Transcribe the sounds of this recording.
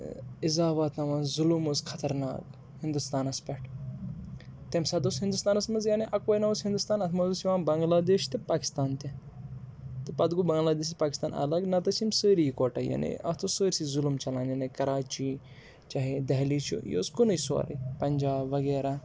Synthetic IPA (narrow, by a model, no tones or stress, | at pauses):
ɪzaːʋaːt̪nɐʋaːzulumoskʰɐt̪ɐɾna̰ːk | hɪnd̪ust̪aːnɐspʲɛʈʰ | t̪emsaːd̪osɦĩnd̪ust̪aːnɐsmɐnzjaːneʔɐkojnɐʋəsɦind̪ust̪aːnɐt̪ʰmɐzusiʋaːnbɐŋɡlaːd̪eːʃt̪epaːki̥st̪aːnt̪e | t̪ɨpɐd̪ɡubɐ̃ŋɡlaːd̪eːʃ̬t̪paːkist̪aːnʔɐ̰lɐɡnɐt̪ɐsʰimsəːɾijikoːʈaja̰ːnḛɐ̰t̪ʰosəːɾʲsizulumt͡ʃɐlãːninekɐɾaːt͡ʃi | t͡ʃaːɦid̪ɐɦlit͡ʃʰṵjo̰ːskunɐjsʋa̰ɾḭpɐɲd͡ʒaːbʋɐɡeːɾaː